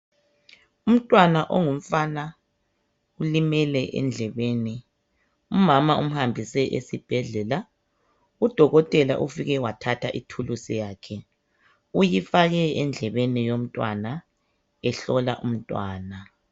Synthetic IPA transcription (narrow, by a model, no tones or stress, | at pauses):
um̩tʼwanaʔoŋum̩fana | ulimɛlɛʔɛ̰nd͡ɮʱɛβeːni | umamaʔum̩hambʱisɛʔḛsib̥ʱɛɮɛla | ud̥ʱɔɣɔtʼɛla̰ʔufiɣɛwatʰatʰaʔitʰulusijaːkʰɛ | ujifaɣɛɛnd͡ɮʱɛβenijom̩tʼwa̰na | ɛɬɔla̰ʔum̩tʼwa̰ːna